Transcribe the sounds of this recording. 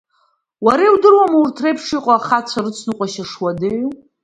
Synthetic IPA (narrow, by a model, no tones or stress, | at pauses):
waɾewdɨrwamartʰrejpʰʂiqʷʼaːχat͡sʷʰarɨt͡sʷʰnɨqʷʼaʃaʂwade